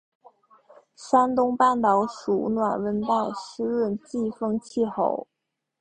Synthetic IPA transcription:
ʂa˥nt̪ʊ˥ŋpa˥˩nt̪ɑ˧˥ʊʂu˨˩nwa˨˩nwə˧˥nt̪a˥˩ɪʂ̩˥ɻə˥˧nt͡ɕi˥˧fɤ˥˧ŋt͡ɕʰi˥˩xo̰˨˧˩ʊ

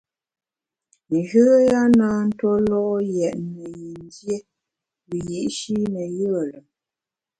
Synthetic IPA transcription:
n˨ʒə˦ja˦naː˦n̩˦twɔ˦lɔ˦ʔjɛ˨ʔnə˨ji˨n˦dje˦ | wi˨ji˨ʔʃi˦nə˨jə˦ə˨lə˨

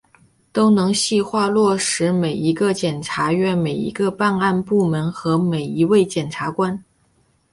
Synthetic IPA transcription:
t̪o˥ʊnɤ˧˥ŋɕi˥˧xwa˥˧lwɔ˥˩ʂɻ̩˧˥me˨˩ɪi˧˥ɡə˧t͡ɕjɛ˨˩nʈ͡ʂʰa˧˥ɥɛ˥˩me˨˩ɪḭ˧˥ɡə˧pa˥˧na˥˧npu˥˩mə˧˥nxɤ˧˥me˨˩ɪi˧˥we˥˩ɪt͡ɕjɛ˨˩nʈ͡ʂʰa˧˥kwa˥n

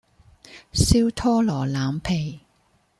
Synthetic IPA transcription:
siː˥wt̪ʰɔː˥lɔː˨˩laː˨˧mpʰe˨˩j

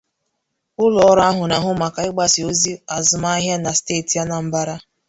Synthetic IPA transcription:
ʊ˦lɔ˦ɔ˦ɾa˦ɦʊ˨na˨ɦʊ˦ma˨ka˨ɪ˦ɡ͡ba˦sɪ˨o˦zi˦a˨zʊ˨ma˦ɦja˦na˨steː˦˨ti˨ja˦na˨m̩˦ba˦ɾa˦

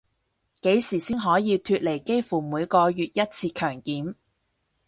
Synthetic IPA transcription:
ke˨˥jsiː˨˩siː˥ŋɦɔː˨˥jiː˨˧t̪ʰyː˧t̚le˨˩jke˥jfuː˨˩muː˨˧jkɔː˧jyː˨t̚jɐ˥t̚t͡sʰiː˧kʰœː˨˩ŋkiː˨˥m

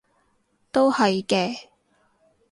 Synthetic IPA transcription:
t̪o˥whɐ˨jkɛː˧

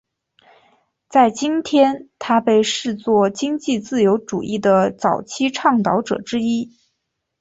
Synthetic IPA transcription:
t͡sa˥˩ɪt͡ɕi˥nt̪ʰjɛ˥nt̪ʰa˥pe˥˧ɪʂɻ̩˥˧t͡swɔ˥˩t͡ɕi˥ŋt͡ɕi˥˧t͡sɹ̩˥˩jo˧˥ʊʈ͡ʂṵ˨˩ʔi˥˩d̪ə˩t͡sɑ˨˩ʊt͡ɕʰi˥ʈ͡ʂʰɑ˥˩ŋt̪ɑ˧˥ʊʈ͡ʂɤ̰˨˩ʈ͡ʂɻ̩˥i˥

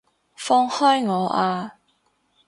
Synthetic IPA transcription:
fɔː˥ŋhɔː˥jŋɔː˨˧ʔaː˧

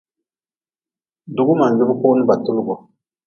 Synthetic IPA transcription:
du˨ɡʊ˦ma˨n˨ɡɪ˦bɨ˦koː˦nʊ˦ba˨tʊ˦lʊ˦ɡɔ˨

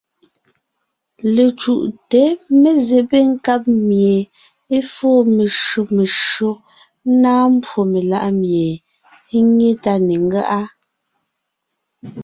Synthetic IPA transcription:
le˨t͡ʃu˨ʔte˨˦me˨ze˨pe˦ŋ̩˦ka˦p̚mje˨ | e˦fɔː˦˨me˨ʃo˨me˨ʃɰo˦ | naː˦m̩˦pwo˨me˨la̰˦ʔmje˨ | e˦ŋe˦ta˦ne˨ŋ˦ɡa̰˦ʔa˦

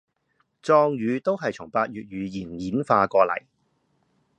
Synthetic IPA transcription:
t͡sɔː˧ŋjyː˨˧t̪o˥wɦɐ˨jt͡sʰʊ˨˩ŋpaː˧t̚jyː˨t̚jyː˨˧jiː˨˩nːiː˨˥nfaː˧kɔː˧lɐ̰˨˩j

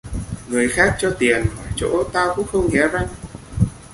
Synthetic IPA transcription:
ŋɨ˨˩əjxaː˦˥k̚t͡ɕɔ˧t̪i˨˩ənvɔː˨˩jt͡ɕo̰˧˥t̪aː˧wkʊ̰˧˥ŋ͡mxə˧wŋ͡mŋɛ˨˦za˧ŋ

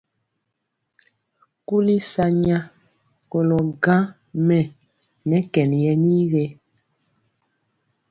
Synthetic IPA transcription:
ku˦li˦sa˨ɲa˦ | kɔ˨lɔ˨ɡã˦ | mɛ˨ | nɛ˨˦kɛ˨njɛ˦ni˦ɣe˦

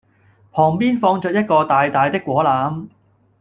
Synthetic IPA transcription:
pʰɔː˨˩ŋpiː˥nfɔː˧ŋt͡ʃœː˨t̚jɐ˥t̚kɔː˧t̪aː˨jt̪aː˨jt̪ɪ˥kːʷwɔː˨˥laː˨˥m

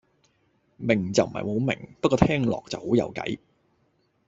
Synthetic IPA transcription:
mɪ˨˩ŋt͡sɐ˨wm̩˨˩hɐ̰˨jmo˨˥wmɪ̰˨˩ŋpɐ˥kɔː˧t̪ʰɛː˥ŋlɔ̰ː˨k̚t͡sɐ˨who˨˥wjɐ̰˨˧wkɐ̰˨˥j

